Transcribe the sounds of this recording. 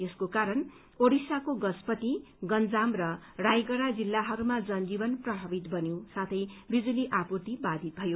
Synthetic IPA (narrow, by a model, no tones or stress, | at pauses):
eskokaɾʌn | oɽisakoɡʌspʌt̪iɡʌnd͡zamrʌrajɡʌɽad͡zilːaɦʌɾumad͡zʌnd͡zibʌnprʌbʱʌbit̪bʌnjosat̪ʰʌjbid͡zuliʔapurt̪ibad̪ʱit̪̚bʱʌjo